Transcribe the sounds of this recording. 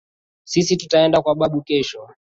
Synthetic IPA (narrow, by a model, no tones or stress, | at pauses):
sisitutaɛndakwaɓaɓukɛʃɔ